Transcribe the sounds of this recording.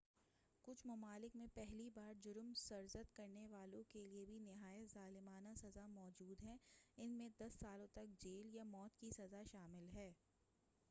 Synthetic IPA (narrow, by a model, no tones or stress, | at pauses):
kʊt͡ʃʰmɐmaːlɪkmẽpɛɦlibaːɾd͡ʒʊɾmsɐɾzət̪kɐɾneʋaːlõkeliebʱinɪɦaːjət̪zaːlɪmaːnasɐzamɔːd͡ʒuːd̪ɦɛɪnmẽd̪ɐsːaːlõt̪ɐk̚d͡ʒeːljamɔːt̪kisɐzaʃaːmɪlɦɛː